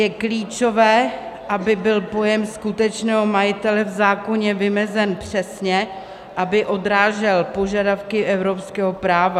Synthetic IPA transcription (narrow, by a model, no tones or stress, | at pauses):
jɛkliːt͡ʃovɛː | ʔabɪbɪlpo̞jɛmskut̪ɛt͡ʃnɛːɦo̞majɪt̪ɛlɛvzaːko̞ɲɛvɪmɛzɛnpr̝̥ɛsɲɛ | ʔabɪʔo̞dɾaːʒɛlpo̞ʒadafkɪʔɛvɾo̞pskɛːɦopɾaːva